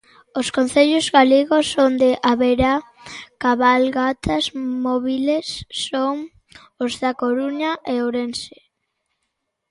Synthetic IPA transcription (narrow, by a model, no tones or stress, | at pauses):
oskonθeʎozɣaleɣosond̪eʔaβeɾa | kaβalɣat̪ʰazmoβilesːoŋ | ozðakoɾuɲaʔeoɾense̥